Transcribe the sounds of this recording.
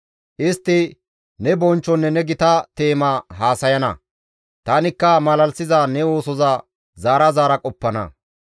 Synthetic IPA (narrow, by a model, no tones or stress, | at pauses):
ʔɪst̪ːɪ | nɛbɔnt͡ʃːɔnːɛnɛɡɪt̪ɐt̪e̞ːmaɦaːsɐjɐnɐ̰ | t̪ɐnɪkːɐmɐlɐlsɪzanɛwo̞ːsɔza | zaːɾɐzaːɾɐkʼɔpːɐnɐ̰